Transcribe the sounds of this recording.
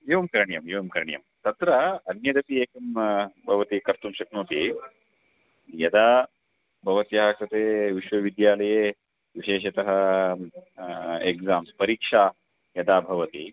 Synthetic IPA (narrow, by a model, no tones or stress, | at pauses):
eːʋɐmkɐɾɐɳjɐmeːʋɐmkɐɾɐɳjɐ̰mt̪ɐt̪ɾɐɐnɲed̪ɐpieːkɐmbʱɐʋɐt̪ikɐɾt̪umʃɐknoːt̪i | jɐd̪aː | bʱɐʋɐt̪jɐːɦɐkɾɐt̪eːʋiʃʋɐʋid̪jaːlɐjeː | ʋiʃeːʃ̬ɐt̪ɐɦɐ | ekzaːmspɐɾiːkʂaː | jɐd̪aːbʱɐʋɐt̪i